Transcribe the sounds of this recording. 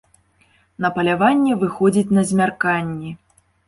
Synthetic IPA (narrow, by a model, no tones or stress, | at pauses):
nɐpɐlʲavanʲːɛvɨxɔd͡zʲit͡sʲnɐzʲmʲarkanʲːɛ